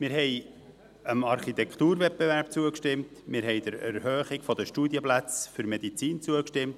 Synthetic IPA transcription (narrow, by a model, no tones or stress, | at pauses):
mɪːɾɦɛj | əmɑɾχit̪ɛkt̪uːɾvɛt̚bevæɾpt͡suəkʃtɪmtmɪɾɦɛjd̥̪əɾæɾɦøːχɪɡfɔd̪əʃtud̪jəplæt͡sfʏɾmɛd̥̪it͡siːnt͡suəkʃtɪmt